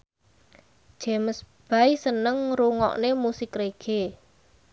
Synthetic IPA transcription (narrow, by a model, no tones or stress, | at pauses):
ʒ̥e̤məs | b̥ajsənəŋruŋɔ̰ʔnemusɪkreɡ̥e